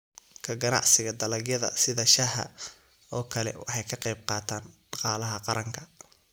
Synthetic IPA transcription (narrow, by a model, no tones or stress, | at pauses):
kʰɐɡɐnɑ̰ʕsɪɣɐd̪ɐlɐɡjɐðɐ̰sɪðɐʃɐhɐ̰ | ɔːkʰɐlɛ̰wɑħɑjkʰɐqɛjb̚qɑːt̪ʰaːnɖ̥ɑqɑːlɐɦɐqɑɾʔɐŋkʰɐ